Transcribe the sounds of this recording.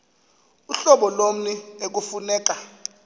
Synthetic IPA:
uɬɔɓɔlom̩niek̬ufunɛːk̬ʼa

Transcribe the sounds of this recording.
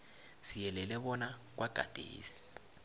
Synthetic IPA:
sijɛlɛlɛβɔnak̬waɡ̥ʱa̰d̥ʱḛːsi̥

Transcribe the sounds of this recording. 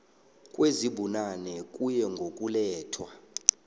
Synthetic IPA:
kʼweziɓunanɛkʼujɛŋɡʱokʼulɛːtʰwa

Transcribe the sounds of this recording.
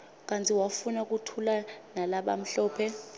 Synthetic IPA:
k̬ʼantʰʼiwafunak̬utʰulanalaɓa̰m̩ɬɔːpʰɛ

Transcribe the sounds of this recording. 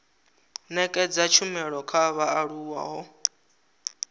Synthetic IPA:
nɛkʼɛd͡zat͡ʃʰumɛɺɔkʰaβaːɺuwa̰ɦɔ

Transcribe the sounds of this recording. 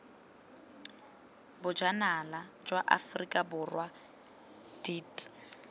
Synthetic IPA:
bʊd͡ʒanalad͡ʒwaʔa̰frikʼabʊrwa | d̥iːtʼ

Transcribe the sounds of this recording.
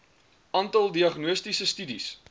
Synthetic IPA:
ʔɑːntɐlˠdiɐχnuəstisəstydis

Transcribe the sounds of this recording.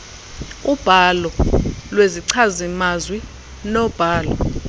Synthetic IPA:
ub̥ʱalɔlweziǀʰazimazwi | nɔb̥ʱaːlɔ̰

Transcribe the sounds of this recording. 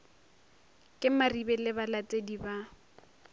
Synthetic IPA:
kʼɪmaribɛlɪbalat͡sʼediba

